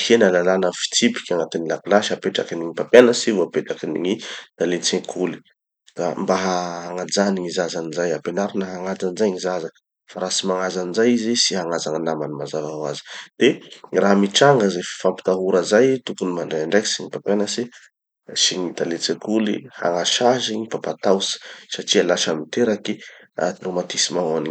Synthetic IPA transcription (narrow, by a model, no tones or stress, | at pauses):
henəlalanəfi̥t͡sipi̥kʲaŋat̪inilakulaʃi̥hapeʈ͡ʂakiniŋipapjanəsivuapeʈ͡ʂakinḭŋit̪alet͡sẽkʰuli̥ | ka̰mbaɦaɦaŋad͡zaniŋizazanizajapenaɾinəɦaŋad͡zanizajŋizaza | faɾasimaŋazanizajizisiɦaŋazaŋanamanimazavaɦwazi̥d̪̥eraɦmiʈ͡ʂaŋɡəzefi̥fampi̥t̪aɦuɾəzajt̪ukunimaɳɖ͡ʐajaɳɖ͡ʐajki̥siɲipapanasi | siɲit̪alet͡sẽkulḭha̰ŋaʃaʒiɲipapat̪awsi̥saʈ͡ʂialaʃamit̪eɾaki | a̰t̪romat̪isimaani